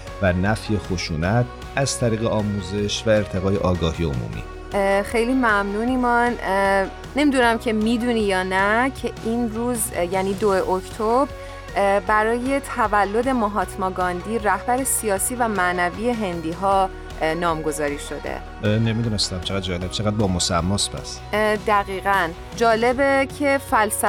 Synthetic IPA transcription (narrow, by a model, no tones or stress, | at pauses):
vænæfjexoʃuːnæt̪ʰ | æz̥t̪ʰæɾiːɣeɒːmuːze̞ʃvæe̞ɾt̪ʰe̞ɣɒːjḛʔɒːɡɒːhiːeo̰mṵːmḭː | xe̞jlimæmnuːnimɒn | ne̞mid̪unæmcʰe̞mid̪unijɒːnæcʰe̞ʔinruːzjæniːd̪o̞eʔoct̪ʰobɾ | bæɾɒːje̞t̪ʰævælːo̞d̪e̞moɦɒːt̪ʰmɒːɡɒnd̪iːɾæhbæɾe̞sijɒːsiːvæmænæviːe̞ɦe̞nd̪iːɦɒː | nɒːmɡo̞zɒːɾiːʃo̞d̪ḛ | nemid̪unest̪æmt͡ʃʰeɣæd̪̚d͡ʒɒːleb̥̚t͡ʃʰeɣæd̪̚bɒːmosæ̰mːɔsbæ̰sd̪æɣiːɣæn | d͡ʒɒːle̞becʰe̞fælsæ